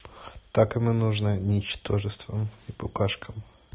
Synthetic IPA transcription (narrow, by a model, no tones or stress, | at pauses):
t̪akɨmɨnuʐnɨnʲɪt͡ɕt̪o̞ʐɨst̪vəmipʊkaʂkʰəm